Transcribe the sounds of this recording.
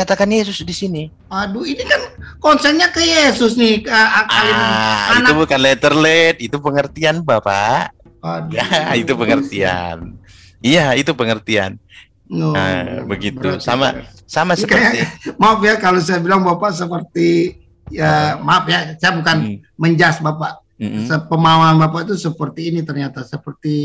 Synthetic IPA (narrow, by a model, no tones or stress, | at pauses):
kat̪akanjes̬ʊsdisini | aduinikankɔnsɛɲakəjesʊsniəaaliainaubukanlet̪ərlɛt̪̚it̪upəŋərt̪ianbapa̰ | jait̪upəŋərt̪ia̰n | ijait̪upəŋərt̪ia̰n | nɔə̰bəɡib̪usa̰ma̰ | samasəpkjamapjakalos̬ajabilaŋbapaʔs̬əpərt̪i | əmafjasajabukanməɲd͡ʒasbapaʔ | səpəmawanbap̬aʔit̪usəpərt̪iːnit̪ərɲat̪asəpərt̪i